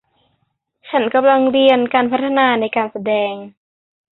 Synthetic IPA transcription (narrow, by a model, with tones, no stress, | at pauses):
t͡ɕʰa˦˥nka˧mla˧ŋɾi˧ənkaː˧npʰa˦˥t̪ʰːa˧naː˧na˧˩jkaː˧nsa˧dɛː˧ŋ